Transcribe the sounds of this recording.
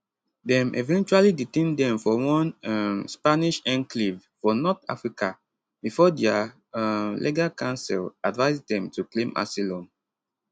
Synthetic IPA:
dɛ̃mʔḛvɛ̃nt͡ʃualiditẽndɛ̃mfɔwɔ̃namspaniʃɛ̃nklivfɔnɔta̰fɹika | bifɔdɛa | lʔḛɡakãnsɛ̰ladvaɪzdɛ̃mtʰuklẽmʔa̰silɔ̃n

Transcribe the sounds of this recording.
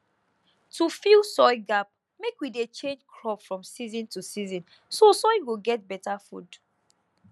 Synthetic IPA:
tʰufilˠsɔɪɡap̚ | mekwidet͡ʃẽnd͡ʒkʰɹɔpfɹɔ̃msizɔ̃ntʰusizɔ̃n | sosɔɪwiɡɛt̚bɛtafṵd

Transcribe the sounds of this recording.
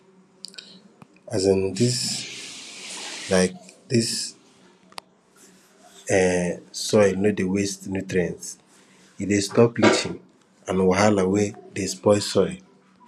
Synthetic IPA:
azãndis | laɪk̚dis | ɛsɔɪnodewestnutɾiãns | idestɔpit͡ʃʰĩn | ãnwaɦalawedespɔɪsɔɪ

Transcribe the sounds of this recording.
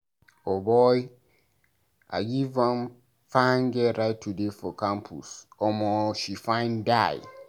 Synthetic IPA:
ɔbɔɪ | a̰ɡivãm | fãnɡɛɾaɪtʰːudefɔkʰãmpʰṵsɔmɔ̃ʃifãɪ̃ndaɪ

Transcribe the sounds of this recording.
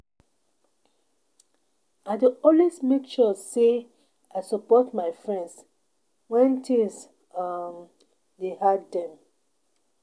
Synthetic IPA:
aɪdeɔ̃lwesmekʃɔse | aɪsɔpɔtmaɪfɹɛ̃nds | wɛ̃ntʰĩs | am | dehadɛ̃m

